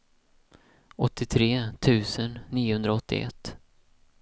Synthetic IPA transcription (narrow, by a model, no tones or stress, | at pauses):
ɔt̪ːɪt̪ʰɾeːt̪ʰʉ̟ːsənːiːʊhɵnd̪ɾaɔt̪ʰːɪ̰ʔɛ̰t̪ː